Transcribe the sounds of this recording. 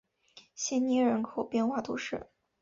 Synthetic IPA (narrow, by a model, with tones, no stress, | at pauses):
ɕjɛ˥nni˧˥ɻə˧˥nkʰo˨˩ʊpjɛ˥˧nxwa˥˩t̪ʰṵ˧˥ʂɻ̩˥˩